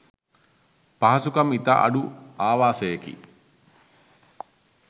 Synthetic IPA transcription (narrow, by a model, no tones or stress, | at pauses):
pɐɦɐsukɐmit̪ɐ̰ʔɐ̰ɖuaːʋaːsejekḭ